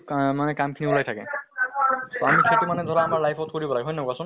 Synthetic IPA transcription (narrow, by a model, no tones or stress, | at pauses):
manɛkamkʰinibulajtʰakɛ̰̃ | tɔamisʰatimanɛd̪ʱɔɹaːmaɹlajpʰɔtkɔɹibɔlaɡeɦɔjnakasɔ̃n